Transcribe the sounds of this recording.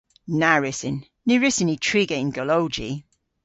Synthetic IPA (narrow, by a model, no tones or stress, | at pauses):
naɹɪsɪnː | ɪɹɪsɪnitʰɹ̥iːɡeɪnɡəlowd͡ʒi